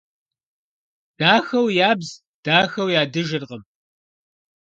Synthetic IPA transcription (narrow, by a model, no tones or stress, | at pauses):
d̥aːxɐwjaːbz | d̥aːxɐwjaːdɨʒɪrqəm